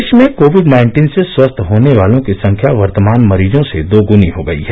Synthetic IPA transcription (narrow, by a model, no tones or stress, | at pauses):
ʃmẽkoːʋɪɖnaɪɳʈiːnseswɐst̪ʰɦoːneʋaːlõkisɐ̃ŋkʰjaʋɐɾt̪əmaːnmɐɾiːd͡ʒõsed̪oːɡʊniɦoɡɐḭɦɛ